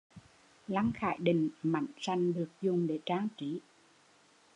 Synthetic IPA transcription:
la˧ŋxa̰ː˧˨jɗï˨˩ŋ̟ma̰˧˨jŋsa˨˧˩jŋ̟ɗɨ˨˩ək̚zʊ˨˩ŋ͡mɗe˧˩t͡ɕaː˧ŋt͡ɕi˨˦

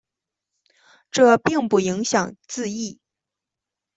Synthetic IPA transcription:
ʈ͡ʂɤ˥˧pi˥˧ŋpu˥˩i˧˥ŋɕjɑ˨˩ŋt͡sɹ̩˥˧i˥˩

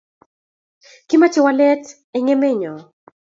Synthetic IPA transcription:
ki˦ma˦t͡ʃɛ˦walɛ˦t | ɛ˦ŋe˦me˦ɲɔ˨

